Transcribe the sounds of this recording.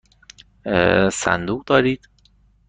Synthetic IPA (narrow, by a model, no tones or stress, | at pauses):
sæ̰nd̪uːʁd̪ɒːɾiːd̪̥